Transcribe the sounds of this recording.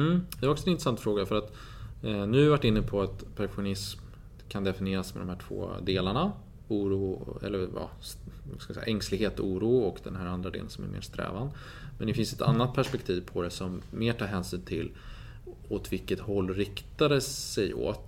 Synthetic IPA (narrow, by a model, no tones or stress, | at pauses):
m̩ːd̪ahaɾɔksɔɛnɪnɾəsant̪fɾoːɡafœɾat̪ | nʉ̟ːhaɾvaʈːɪnːəpʰɔat̪pʰaɾkɧʊnɪsm | kʰand̪ɛfɪnɪeːɾasmɛ̰d̪ɔmhæːʈʰv̥o̰ːd̪eːlaɳa | uːɾuːɛ̰lːəjɑ̰ːaskavsɛ̰jaʔɛŋslɪɡheːt̪uːɾuːɔkd̪ɛ̰nɦæːɾand̪ɾad̪ḛːlənsɔmæ̰ɾmḛːɾst̪ɾɛ̰ːvan | mɛnd̪ɛfɪnsɛt̪ʰa̰nːat̪̚pʰæʂpɛk̚t̪ʰiːvpʰɔd̪ɛsɔmːeːʈʰɑːɾɦɛːnsyːnt̪ʰɪl | ot̪vɪlkːət̪hɔlːɾɪkt̪ad̪əsɛjo̰ːt̪